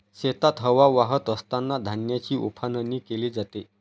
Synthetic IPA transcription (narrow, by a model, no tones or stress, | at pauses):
ɕet̪at̪ɦəʋaʋaɦət̪əst̪anːad̪ʱanjat͡ɕiːʔupʰanəniːkeliːd͡zat̪e